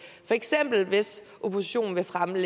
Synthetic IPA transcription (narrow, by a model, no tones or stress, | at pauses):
fɒ̽eɡ̥sem̰b̥l̩ʋe̝s | ʔo̝pʰo̝si̥ɕo̝̰ːn̩ʋe̝fʁamle